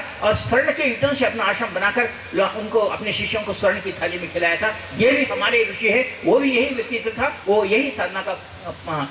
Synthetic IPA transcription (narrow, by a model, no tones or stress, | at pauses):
ɔːɾswɐɾɽkeuːʈə̃seɐpnaːʃəmbɐnaːkəɾ | lʊnkoɐ̰pneʃɪʃjõkoswɐɾɳ̃kit̪ʰaːlimẽkʰɪːlaːjat̪ʰaː | jebʱiɦɐmaːɾeɾʊʃiɦɛʋobʱijɐɦiʋɪt̪ːit̪t̪ʰaʋojɐɦisaːd̪ʱnaka